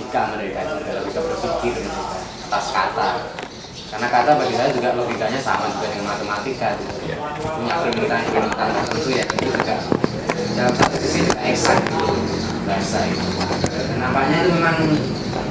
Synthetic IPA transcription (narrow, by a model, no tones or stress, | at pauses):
ikaməneɾikad͡ʒuɡalopikabərsukɪt̪mad͡ʒuɡa̰at̪aska̰t̪a | karnakat̪arbaɡisalad͡ʒuɡaʔlopikaɲasa̰mad͡ʒuɡaʔdəŋanmat̪emat̪ikakit̪uj̰it̪uŋapəmit̪anakanamat̪ant̪at̪ənt̪ujait̪ud͡ʒuɡaʔ | dalamsat̪usisid͡ʒuɡaʔɛksat̪ | baɛsait̪unampaʔɲat̪umemaŋ